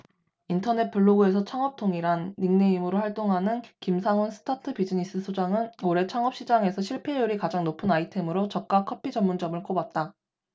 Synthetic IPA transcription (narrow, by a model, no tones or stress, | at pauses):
intʰʌne̞t̚p͈uɭːoɡue̞s̬ʰʌt͡ɕʰaŋʌp̚tʰoŋiɾanːiŋne̞imɯɾohaɭt͈oŋɦanɯnkimsʰaŋonsʰɯ̥tʰatʰɯpid͡ʑiɲis͈ɯsʰod͡ʑaŋɯnoɾe̞t͡ɕʰaŋʌp̚ɕ͈id͡ʑaŋe̞sʰʌɕʰiɭpʰe̞juɾikad͡ʑaŋnopʰɯnaitʰe̞mɯɾot͡ɕʌk̚k͈akʰʌpʰid͡ʑʌmːund͡ʑʌmɯɭk͈obat̚t͈a